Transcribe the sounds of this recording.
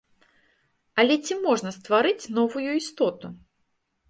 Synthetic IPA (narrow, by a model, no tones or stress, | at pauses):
ɐlʲɛt͡sʲimɔʐnɐst̪vaɾɨt͡sʲnɔvujuist̪ɔt̪u